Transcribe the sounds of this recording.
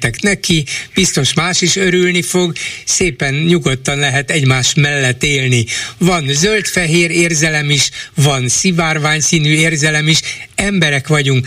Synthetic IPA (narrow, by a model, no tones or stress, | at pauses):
t̪ɛknɛkib̥ist̪o̞ʃmaːʃiʃøɾylnifo̞ɡseːpɛnɲuɡo̞t̪ːɒnlɛɦɛt̪ɛɟmaːʃmɛlːɛt̪ːeːlnivɒnzølt̪fɛɦeːɾeːrzɛlɛmiʃvɒnsivaːrʋaːɲsiːnyːeːrzɛlɛmiʃɛmbɛɾɛkʋɒɟuŋk